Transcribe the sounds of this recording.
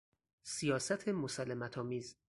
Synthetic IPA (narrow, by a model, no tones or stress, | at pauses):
sijɒːsæt̪ʰemosɒːlemæt̪ʰɒːmiːz